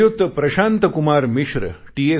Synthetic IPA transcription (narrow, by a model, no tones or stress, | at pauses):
jut̪ːpɾɐɕaːnt̪ɐkumaːɾmiʃɾʈiːe